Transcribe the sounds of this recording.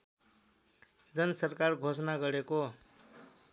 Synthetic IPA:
d͡zʌnʌsʌrkarɡʱosʌnaɡʌɾeko

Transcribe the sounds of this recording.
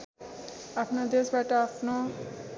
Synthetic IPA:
apʰnod̪esbaʈʌapʰno

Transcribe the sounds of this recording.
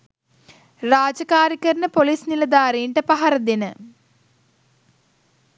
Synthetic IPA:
raːd͡ʑɐkaːɾikːɐɾinɨpoliːsnilɐd̪aːriːɳɖɐpɐɦɐɾɐd̪inɨ

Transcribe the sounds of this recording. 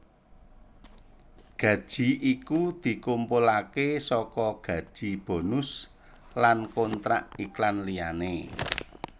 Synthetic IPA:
ɡ̥ä̤d̥ʒ̥i̤ʔikud̪̥i̤kumpʊlakesɔkɔɡ̥ä̤d̥ʒ̥i̤b̥o̤nʊs | lankont̪ɾa̰ʔiklanlijane

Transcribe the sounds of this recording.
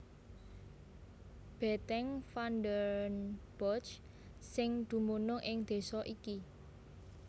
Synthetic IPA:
b̥ɛ̤t̪ɛŋfand̪əɾnb̥ɔt͡ʃ | sɪŋd̪̥ṳmunʊŋʔɪŋd̪̥e̤sɔʔiki

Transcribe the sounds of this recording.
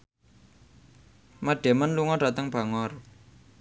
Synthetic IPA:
məɖ̥e̤mənluŋɔɖ̥a̤t̪əŋb̥a̤ŋɔr

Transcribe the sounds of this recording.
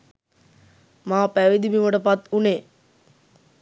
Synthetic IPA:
maːpæʋid̪imiməʈəpat̪une

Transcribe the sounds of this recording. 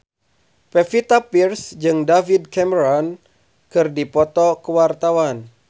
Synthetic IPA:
pefit̪apirsd͡ʒɨŋdavid̚kɛməɾɔn | kɨrdipɔt̪ɔkəwart̪awan

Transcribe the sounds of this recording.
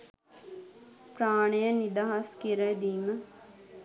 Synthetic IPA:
praːɳəjənid̪aɦaskiɾəd̪iːmə

